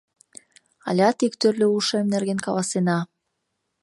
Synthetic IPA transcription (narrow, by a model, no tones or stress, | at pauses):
ɑ̰lʲɑt̪ikt̪ørlʲøuʃemnerɣenkɑlɑsenɑ